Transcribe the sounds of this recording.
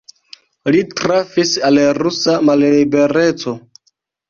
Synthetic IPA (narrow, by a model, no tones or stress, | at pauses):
litɾafisalɾusamalibe̞ɾe̞t͡so̞